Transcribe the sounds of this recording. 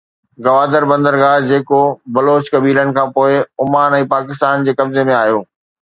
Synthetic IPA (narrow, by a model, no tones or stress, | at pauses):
ɡɐʋaːd̪əɾbɐ̃nd̪əɾɡaːd͡ʑeːkobɐloːt͡ɕkɐbiːləɽ̃ɪ̆kʰãːpoːɪʊmaːnɛ̃ːpaːkɪst̪aːnd͡ʑeːkɐbzemẽaːɦijoː